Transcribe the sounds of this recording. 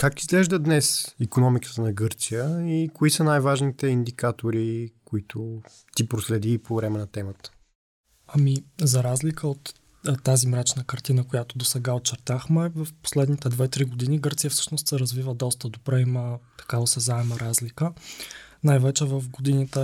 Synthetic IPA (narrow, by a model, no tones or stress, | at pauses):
kakizɡlɛʒd̪əd̪nɛsikonɔmikə̥t̪ənɐɡɤɾt̪sijəikoisənajvaʒnit̪ɛind̪ikat̪oɾikoit̪ʰʊ | t̪ipɾoslɛd̪iːpovɾɛmɛnɐt̪ɛmət̪ə̥ | ɐmizɐɾazlikʰəot̪ | t̪ːazimɾat͡ʃnəkɐɾt̪inəkojat̪od̪osɛɡaot̪̚t͡ʃɛɾt̪axmɛvɐfpo̥slɛd̪nit̪ɛd̪vɛt̪ɾiɡod̪iniɡɤɾt̪sijəfsɤ̥ʃnost̪sɛɾɐzvivəd̪ɔst̪əd̪obɾɛimət̪ɐ̥kavəsɛzaɛməɾazlikə | najvɛt͡ʃɛvəfɡod̪init̪ə